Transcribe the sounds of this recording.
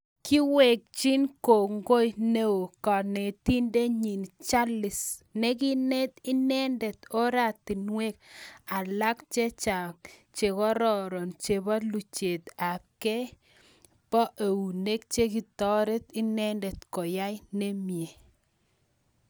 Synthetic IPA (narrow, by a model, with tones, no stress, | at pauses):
ki˦we˨k̚t͡ʃi˦nko˨ŋɡo˦jne˦o˨ka˨ne˨ti˦nde˦ɲi˨nt͡ʃa˦lɪ˨snɛ˦ki˦nɛ˦t̪i˦nɛ˦ndɛ˨t̪o˦ɾa˨ti˨nwe˦k̚a˨la˦kt͡ʃe˦t͡ʃa˨kt͡ʃe˨kɔ˦ɾɔ˨ɾɔ˨nt͡ʃe˨ba˦lu˨t͡ʃe˨t̪a˨pkɛ˦ | pɔ˦ʔe˨wu˨ne˦k̚t͡ʃe˦ki˨tɔ˦ɾe˦t̪i˦nɛ˦ndɛ˨t̪kɔ˨ja˦jne˦mje˨